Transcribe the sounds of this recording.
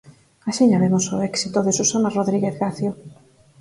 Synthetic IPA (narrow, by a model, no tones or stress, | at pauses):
aʃiɲaβemosoɛksit̪oðesusanaroðɾiɣeθɣaθjo